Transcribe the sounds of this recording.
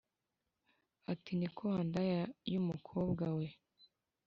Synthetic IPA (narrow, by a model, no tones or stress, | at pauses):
atinikʰoandajajumukʰoːb̚ɡawe